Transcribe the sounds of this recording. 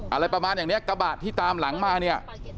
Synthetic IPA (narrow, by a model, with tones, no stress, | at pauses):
ʔa˧ɾa˧jpɾa˧maː˧njaː˨˩ŋni˦˥ɐ˨ka˧baː˨˩t̪ʰːiː˥˩t̪aː˧mla˩˦ŋmaː˧ni˥˩ɐ